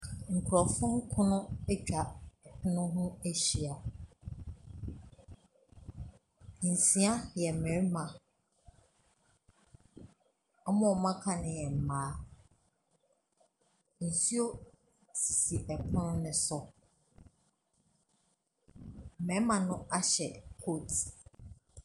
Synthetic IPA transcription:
ŋ̩˨kʰɾɔ˨fʊ̃˦ŋ˦kʰʊ̃˦nʊ̃˦ɛ˦t͡ɕᶣa˨ɛ˨pʰʊ˦nʊ̃˦ɦʊ̃˦e˦ɕi˨a˨ | n̩˨sĩ˨˦a˦jɛ˨mɛ̃˨˦mã˨ | ɔ˦mɔ̃˨mã˦kʰã˨nɪ̃˨jɛ˨m̩˨mãː˨˦ | n̩˨si˦o˦ | si˨si˨ʔɛ˨pʰʊ̃˦nʊ̃˦nɪ̃˨sɔ˦˨ | mɛ̃˨˦mã˨nʊ̃˦ʔa˦ɕɛ˨kʰo˦˨t

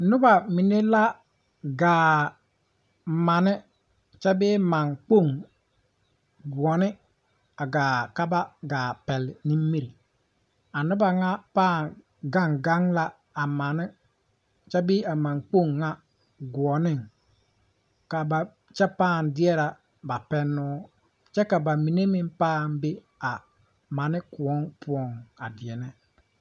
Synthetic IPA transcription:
nʊ˦ba˨mi˨ne˦la˦ | ɡaː˨ | ma˨nɪ˦ | t͡ʃa˦bɪː˦ma˨ŋk͡po˦˨ŋ | ɡu˨ɔ˨nɪ˦ | a˨ɡaː˨ka˦ba˦ɡaː˨pɛ˨lni˦m˦mi˦ɾi˨ | a˨nʊ˦ba˨ŋa˦paː˦˨ŋ | ɡa˦ŋɡa˦ŋla˦ | a˨ma˨nɪ˦ | t͡ʃɛ˦bi˦a˨ma˨ŋk͡po˦˨ŋːa˦ | ɡu˨ɔ˨nɪ˦ŋ | ka˨ba˨ | t͡ʃɛ˦paː˦˨n˨dɪ˦ɛ˦ɾa˨ | ba˨pɛ˦nːʊː˦ | t͡ʃɛ˦ka˨ba˨mi˨ne˦mɪ˦m˦paː˦˨nbɪ˦ | a˨ | ma˨nɪ˦ku˨ɔ˦ŋpʊ˦ɔ˨ŋa˨dɪ˨ɛ˨nɛ˦

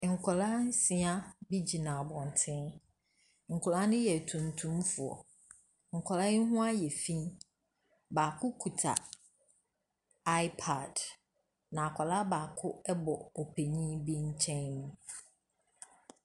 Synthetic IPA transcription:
ŋ̩˨kʰɔ˨la˦n̩˦sɪ̃˨a˦bi˦d͡ʑi˨nã˨a˨bɔ̃˨n˨tʰɪ̃˦n | ŋ̩˨kʰʊ˨la˦nɪ̃˦jɛ˨tʰũ˨ntʰũ˦mfʊ˨ɔ̰˨ | ŋ̩˨kʰɔ˨la˦jɪ˦ɦʊ̃˦a˦jɛ˨fĩ˦n | baː˨kʰʊ˦kʰu˨tʰa̰˨ | a˦ɪ˦pʰa˨d | nã˨a˨kʰɔ˨la˦baː˨kʰʊ˦ɛ˦bɔ˨ɔ˨pʰe˨ɲĩ˦bi˦ɲ̩˦t͡ɕʰɛ̃˦nnũ˦

